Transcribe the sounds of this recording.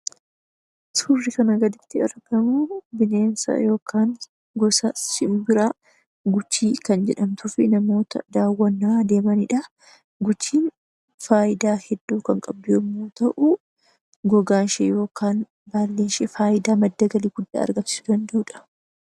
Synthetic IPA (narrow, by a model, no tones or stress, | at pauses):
surːɪkɐnɐɡɐd̪ɪt̪ːɪɐ̰ɾɡɐmubɪne̞ːnsɐ̰jo̞ːkʰaːŋ | ɡɔsɐsɪmbɪɾaː | ɡʊt͡ʃːiːkɐnd͡ʒɛᶑɐmt̪ʊfɪnɐmo̞ːt̪ɐ̰d̪aːwːɐnːɐːd̪e̞ːmɐnɪᶑɐ | ɡʊt͡ʃːiːn | faːjɪd̪aːhɛd̪ːuːkɐŋkʼɐbːɪʊmːoːt̪ɐʔʊ | ɡɔɡaːnʃɛjo̞ːkaːn | baːlːeːnʃɛfaːʔɪd̪aːmɐd̪ːɐɡɐliːɡʊd̪ːa̰ːɐ̰ɾɡɐmsɪ̥sʊd̪ɐnd̪ɐʔʊːᶑɐ̥